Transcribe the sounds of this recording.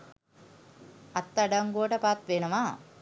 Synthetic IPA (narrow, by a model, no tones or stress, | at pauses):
at̪ːaɖaŋɡuəʈəpat̪ʋenəʋa